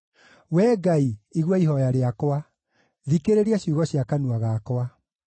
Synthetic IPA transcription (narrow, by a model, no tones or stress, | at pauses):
wɛːɡaiiɣwɔiɦɔjaɾeakɔwa | ðikeɾeɾiaɕuɣɔɕiakanuaɣakwa